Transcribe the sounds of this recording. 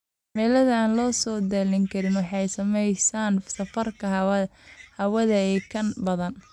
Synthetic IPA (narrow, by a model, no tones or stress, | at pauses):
mɛːlɐðɐaːnlɔːsɔːd̪ɛlɪŋkʰɐɾɪnwɑħɑjsɐmɛjsaːnsɐfɐrkʰɐ | hɐwɐðɐɛːkʰɐnbɐðɐn